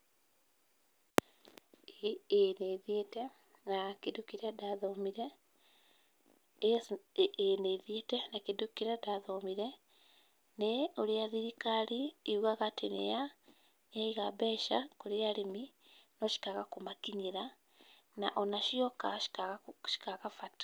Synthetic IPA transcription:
eneðete | nakidukiɾedaðomiɾe | eneiðietɛnakidukiɾɛdaðomiɾɛ | neoɾiaðiɾikaɾiːuɣaɣatenḛja | naiɣabɛʃakoɾiaɾimi | noʃi̥kaɣakomakiɲiɾa | naʔonaʃiɔkai̥aɣʃi̥kaɣafatḁ

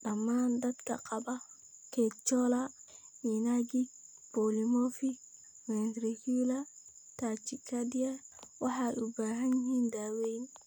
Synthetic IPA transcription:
ɗamːandat̪ka̰kʼaɓa | kɛt͡ʃːɔlajinaɡi | polimofi | mɛntɾikula | tat͡ʃikadijawaħaʔubaɦanhindawejni

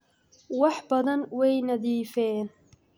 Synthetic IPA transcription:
wɑħbɐðɐnwɛjnɐðiːfɛːn

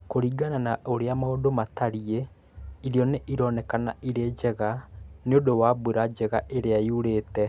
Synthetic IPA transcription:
koɾiːɡananaoɾeamaodomataɾie | iɾjɔneʔiɾɔnɛkana̰iɾed͡ʑɛɣaneodowabweɾad͡ʑɛɣaʔeɾeaiuɾetɛ

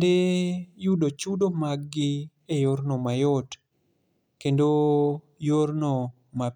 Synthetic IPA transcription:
dejudot͡ʃudomaɡɡɪ | ejoɾnomajɔt | kendo | joɾno | ma

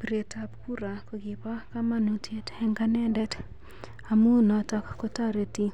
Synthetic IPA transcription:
pɾetapkuɾakoɡipakamanutʰetɛŋɡanɛndɛt | amunɔtakkotaɾeti

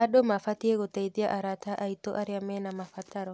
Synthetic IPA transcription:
aɗomafat̪ieɡot̪aid̪iaʔaɾat̪aʔait̪oʔaɾɪamɛnamafat̪aɾɔ

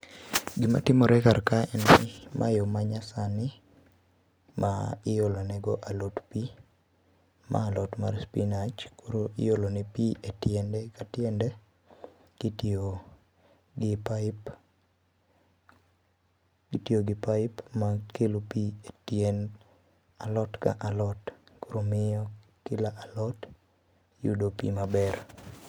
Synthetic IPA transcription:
ɡɪma̰tɪmɔɾɛkaɾkaɛnɪma̰jomaɲasanɪ | maɪjolonɛɡɔʔalotpi | mʔa̰lɔtma̰rspinat͡ʃkoɾoʔɪ̰jolonɛpietjɛndɛkatjɛndɛ | ɡ̥ito | ɡɪpaɪp | itioɡɪpaɪpmakelopietjɛn | alɔtka̰ʔalɔtkoɾomɪɔkɪlaʔalɔt | jṵdopḭmabɛr

